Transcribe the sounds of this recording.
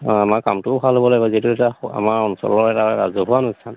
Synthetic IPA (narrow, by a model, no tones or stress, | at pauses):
amaɹka̰mtʊʊbʱalɦobɔlaɡbazetuɛtaa̰maɹɔnsɔ̰lɔɹɛtaɛɹa̰zɔɦuanustʰan